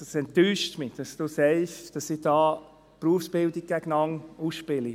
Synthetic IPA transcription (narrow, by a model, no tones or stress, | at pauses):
ɑsɛntːyːʃtmɪd̥ɑsd̥usɛɪʃd̥ɑsɪd̥ɑː | pruəfsb̥ɪldiɡ̚ɡ̥ɛɡ̥ənɑŋuːsʃpɪli